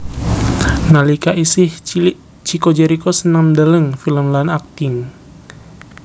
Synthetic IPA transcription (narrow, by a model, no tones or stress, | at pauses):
nalikaʔisih | t͡ʃikod͡ʒeɾikosənamdələŋfiləmlanak̚t̪ɪŋ